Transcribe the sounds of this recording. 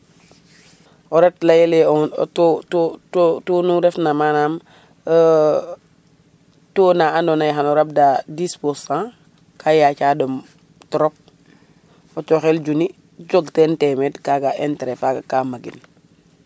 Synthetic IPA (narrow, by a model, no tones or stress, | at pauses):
ʔɔɾɛtlajeleɔ̰totːtotunuɾɛfnamanaːm | toːnaandonajxanɔɾab̚dadisposã | kʰajacaːdɔm | tɔɾɔp̚ | ɔt͡ʃoxeld͡ʒuni | ɟoɡtentɛmetkaɡaʔentɾefaɡakamaɡḭn